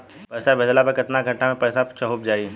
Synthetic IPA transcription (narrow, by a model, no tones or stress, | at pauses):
pɐːsabʱɛd̪lapɐɾkɪt̪naɡʱɐ̃ɳʈamẽpɛːsat͡ʃɐɦub̚d͡ʒaːi